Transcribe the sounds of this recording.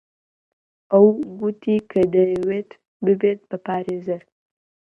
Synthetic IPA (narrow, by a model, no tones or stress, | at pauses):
awɡut̪ikʰəd̪əjwet̪ | bɨbet̪̚pəpɑːɾezəɾ